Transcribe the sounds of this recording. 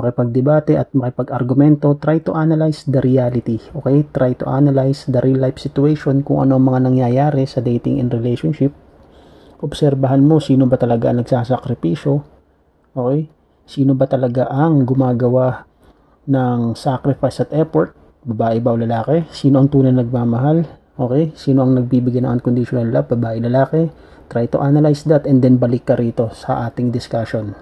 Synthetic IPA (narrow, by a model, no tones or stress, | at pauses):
mɐkɪpɐɡ̚d̪ɛbaːt̪ɛʔɐt̪̚mɐkɪpɐɡɐɾɡʊmɛnt̪o̞t̪ɾajt̪ʊʔanɐlajsd̪ɐɾɪaːlɪt̪iʔo̞ːkɛjt̪ɾʔajt̪ʊ̰ʔa̰ːnɐlajsd̪ɐɾʔilajpsɪt̪ʊɛjʃo̞nkʊŋʔɐ̰no̞ʔɐŋmɐŋanɐŋjajaːɾɛsɐd̪ejt̪ɪ̰ŋʔɛ̰nd̪ɾɛlejʃonʃɪp̚ | ʔobsɛɾbɐɦanmo̞siːnobɐt̪ɐlɐɡaʔɐŋnɐɡsaːsɐkɾɪpiːʃo̞ | ʔoːkɛj | siːno̞bɐt̪ɐlɐɡaʔɐŋɡʊmaːɡɐwa | nɐŋsakɾɪfajsɐt̪ʔɛpoɹt̪̚ | bɐbaːʔɛbɐwlɐlaːkɛsiːno̞ʔɐŋt̪uːnɐjnɐɡ̚maːmɐɦal | ʔo̞ːkɛjsiːno̞ʔɐŋnɐɡ̚biːbɪɡajnɐ̰ʔɐnkond̪ɪʃonɐlːɐbɐbaːʔɪlɐlaːkɛ | t̪ɾajt̪ʊʔanɐlajsd̪ɐt̪ɛnd̪ɛnbɐlɪkːɐɾiːt̪o̞sɐ̰ʔaːt̪ɪŋd̪ɪskaʃon